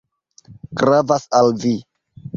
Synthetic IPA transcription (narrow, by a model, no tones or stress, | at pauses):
ɡɾavasalvi